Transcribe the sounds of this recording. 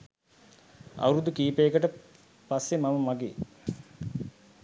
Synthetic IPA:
a̰wuɾud̪ukiːpeːkəʈə | pasːemaməmaɡe

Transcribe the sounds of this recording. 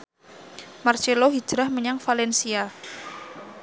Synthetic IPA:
mart͡ʃeloɦi̥d͡ʒ̥ɾahməɲaŋfalɛnsia

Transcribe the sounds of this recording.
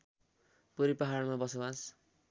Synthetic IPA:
puɾipaɦaɾmabʌsʌwas

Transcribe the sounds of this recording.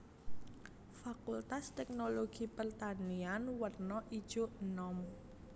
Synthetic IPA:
fakult̪ast̪ɛk̚noloɡ̥ipərt̪anianwərnɔʔid̥ʒ̥oʔnɔm

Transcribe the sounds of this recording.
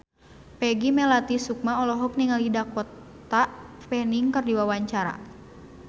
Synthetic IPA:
pɛɡimɛlat̪isuk̚maɔlɔɦɔk̚niŋalidakɔt̪aʔpɛniŋkərdiwawaɲt͡ʃaɾa̰

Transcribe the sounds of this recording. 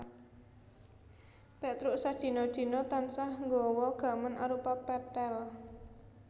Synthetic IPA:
pet̪ɾʊʔsad̥ʒ̥i̤nod̥d̪̥i̤not̪ansahŋɡɔwɔɡ̥a̤mənʔaɾupapɛt̪ɛl

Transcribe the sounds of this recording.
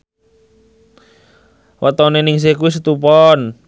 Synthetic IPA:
wat̪ɔneniŋs̬ekuwis̬ət̪upɔn

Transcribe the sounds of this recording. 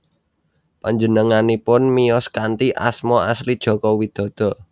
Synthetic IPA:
paɲd͡ʒənəŋanipʊnmijɔskant̪iʔa̰smɔaslid̥ʒ̥ɔ̤kɔwid̪̥ɔ̤d̪̥ɔ̤

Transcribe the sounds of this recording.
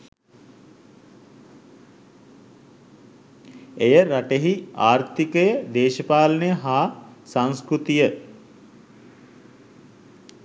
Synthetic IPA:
ejəɾaʈeɦiaːɾt̪ikəjəd̪eːʃəpaːlənəjəɦaːsaŋskɾut̪ijə

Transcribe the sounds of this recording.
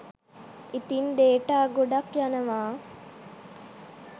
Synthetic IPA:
it̪ind̪eːʈaːɡoɖɐkjanɐʋaː

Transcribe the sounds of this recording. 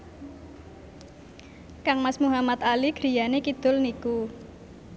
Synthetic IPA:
kaŋmasmuɦamat̪aliɡ̥ɾi̤janekid̪̥ʊ̤lniku

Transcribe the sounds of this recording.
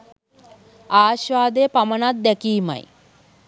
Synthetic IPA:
aːɕʋaːd̪ejəpamənat̪̚d̪ɛkiːma̰j

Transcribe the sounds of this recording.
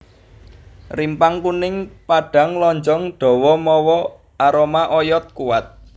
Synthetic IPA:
rimpaŋkunɪŋpaɖ̥a̤ŋlɔɲd͡ʒɔŋɖ̥ɔ̤wɔmɔwɔ | aɾomaʔɔjɔt̪̚kuwat̪̚

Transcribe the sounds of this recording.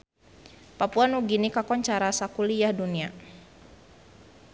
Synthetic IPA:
papuanuɡinikakɔɲt͡ʃaɾasakuliahdunia

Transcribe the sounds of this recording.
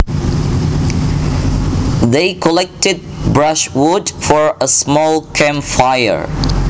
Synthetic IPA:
ðeɪkʰəlɛk̚tɨd̚bɹʌʃwʊdfɔɹəsmɔlˠkʰæ̃mfaɪə̰ɹ

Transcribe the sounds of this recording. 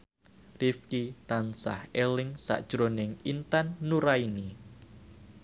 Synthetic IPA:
rifkit̪ansa̰helɪŋsa̰ʔd̥ʒ̥ɾonɪŋint̪anːuɾaini

